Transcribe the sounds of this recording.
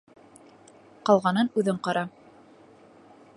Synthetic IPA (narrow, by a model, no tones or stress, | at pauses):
qɑlˠʁɑnɤnʉðɘɴqɑɾɑ